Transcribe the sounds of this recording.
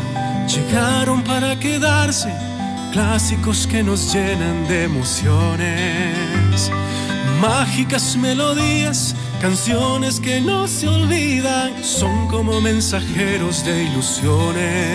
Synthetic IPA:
ʝe̞ɣaɾo̞mpaɾake̞ðaɾse̞ | klasiko̞ske̞no̞zʝenand̪eːmosjone | s | maxikazme̞lo̞ðias | kansjone̞skeno̞seolβiðaŋ | so̞ŋko̞mo̞mẽ̞nsaxe̞ɾo̞zðe̞ilusjone

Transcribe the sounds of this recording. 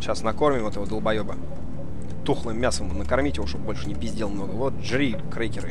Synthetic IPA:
ɕasnɐko̞rmʲɪmvot̪ɪvod̪əlˠbɐjobə | t̪uxlˠɨjmːʲasəmnəkɐrmʲitʲɪvoʂt̪ob̚bolʲʂɨ̥nʲɪpʲɪzʲdʲelˠmno̞ɡəlˠot̪̚ʐɾʲikɾejkʲɪɾɨ̰

